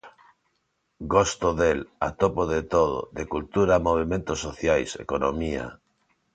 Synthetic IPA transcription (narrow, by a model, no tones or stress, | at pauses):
ɡost̪oðela̰t̪opoðet̪oð̞o̰ðekult̪uɾamoβ̞imẽnt̪osːoθjajsḛkonomia̰